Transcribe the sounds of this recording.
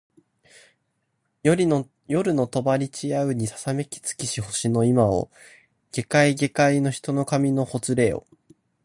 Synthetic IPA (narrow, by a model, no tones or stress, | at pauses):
joɾʲi | jo̞ɾɯ̟no̞t̪o̞baɾʲit͡ɕiaɯ̟ɲ̟isḁsame̞kʲi̥t͡sɨ̥kʲiɕiho̞ɕino̞imao̰ | ɡ̥e̞kaiɡe̞kaino̞çi̥t̪o̞no̞kamʲino̞ho̞t͡sɨɾe̞ːo̞̰